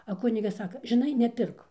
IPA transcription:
ɐ ˈkʊnʲɪɡɐs ˈsɑːkɐ ʒʲɪˈnɐɪ nʲɛˈpʲɪrk

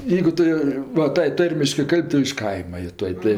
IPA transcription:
ˈjɛɪɡʊ ˈtʊ joː ʋɐ ˈtɐɪ ˈtɐrʲmʲɪʃkɜ ˈkɐlʲpʲ ˈtʊ ɪʃ ˈkɐɪmɐ joː ˈtuɔj ˈtɐɪ

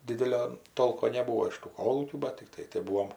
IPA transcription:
ˈdʲɪdʲɛlʲoː ˈtoːlˠkoː nʲɛˈbuːoː ɪʃ tuː ˈkoːlˠuːkʲuː bɐt tʲɪkˈtɐɪ tɐɪ ˈbuːoːm

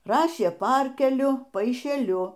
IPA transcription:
ˈrɑːʃʲeː ˈpɐrʲkʲɛlʲʊ pɐɪʃʲɛˈlʲʊ

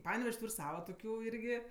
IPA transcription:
ˈpɑːnʲɛʋʲɛʃʲsʲ ˈtuːrʲ ˈsɑːʋɐ toːˈkʲuː ˈɪrʲɡʲɪ

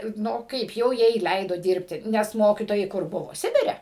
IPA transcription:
ˈnʊ ˈkɐɪp jɛʊ ˈjɛɪ ˈlʲɛɪdoː ˈdʲɪrʲpʲtʲɪ nʲɛs ˈmoːkʲiːtoːjɛɪ ˈkʊr ˈbʊʋoː ˈsʲɪbʲɪrʲɛ

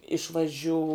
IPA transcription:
ɪʃʋɐˈʒʲuː

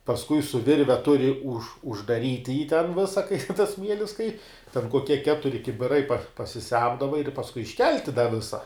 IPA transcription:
pɐsˈkʊɪ sʊ ˈʋʲɪrʲʋʲɛ ˈtʊrʲɪ ʊʃ ʊʒdɐˈrʲiːtʲɪ jiː tʲɛn ˈʋʲɪsɐ kɐɪ tɐs ˈsʲmʲiɛlʲɪs kɐɪ tʲɛn koːˈkʲiɛ ˈkʲæːtʊrʲɪ kʲɪbʲɪˈrɐɪ pɐsʲɪˈsʲɛmdɐʋɐ ɪr pɐsˈkʊɪ ɪʃʲˈkʲɛlʲtʲɪ dɐ ˈʋʲɪsɐ

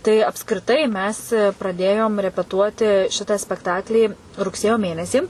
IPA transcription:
tɐɪ ɐpskrʲɪˈtɐɪ ˈmʲɛs prɐˈdʲeːjoːm rʲɛpʲɛˈtuɔtʲɪ ˈʃʲɪtɐ sʲpʲɛkˈtɑːklʲiː rʊkˈsʲeːjoː ˈmʲeːnʲɛsʲiː

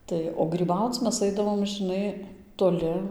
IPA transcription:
ˈtɐɪ oː ɡrʲiːˈbɐʊt͡s ˈmʲɛs ˈɐɪdɐʋoːm ʒɨˈnɐɪ toːˈlʲɪ

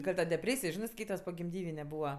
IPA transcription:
ɡɐlʲ ˈtɐ dʲɛˈpʲrʲeːsʲɪj ˈʒʲɪnɜ ˈskɐɪtɐs poːɡʲɪmʲˈdʲiːʋʲɪnʲɛ ˈbuːʋɐ

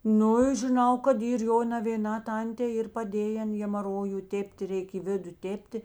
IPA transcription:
ˈnʊ ɪ ʒʲɪˈnɐʊ kɐt ˈiːr ˈjoː nɐʋʲeːˈnɑː ˈtɐnʲtʲeː ˈiːr pɐˈdʲeːjɛn ɣʲɛmɐˈroːjʊ ˈtʲeːpʲtʲ ˈrʲɛɪk ɪ ˈʋʲɪdʊ ˈtʲeːpʲtʲɪ

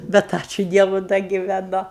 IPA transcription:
ˈbʲɛt ˈɑːt͡ʃʲʊ ˈdʲiɛʋʊ ˈdɐ ɡʲɪʋʲɛˈnʊ

